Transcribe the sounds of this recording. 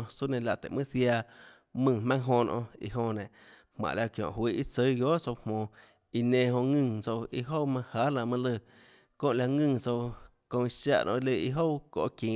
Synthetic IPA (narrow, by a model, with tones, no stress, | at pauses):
su˦nẽ˧˨la˧˨t̪ḛ˨ʔmɨ̃˦sja˧ | mɨ̃˧˨mã˦ŋɦõ˧nʔɔ̰̃˧ḭ˧ɦõ˧nẽ˨hmã̰˨ʔla˧kjõ̰˨hwi˦˧ʔi˦t͡sə˧˦ɡjo˦ʔt͡so˧whmõː˧˨ | i˧nẽ˧ɦõ˧ŋɨ̃˧˨t͡so˧wi˧ɦo˦wmã˧haː˨˦la˧˨mã˧lə˧˨ | kõː˦˨la˧ŋɨ̃ː˧˨t͡so˧w | kõ˧i˧ʃa̰˦˧ʔnʔi˧lə˧˨i˧ɦo˦wko̰˨kĩː˨